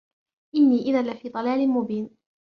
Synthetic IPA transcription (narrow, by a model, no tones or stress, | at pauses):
ʔɪnːiːʔɪðanlɪfiːd̪ˤɑlaːlɪmʊbiːn